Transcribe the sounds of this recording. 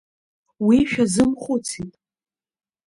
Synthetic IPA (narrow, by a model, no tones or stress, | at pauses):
wiʃᶣazɨmχʷut͡sʰitʼ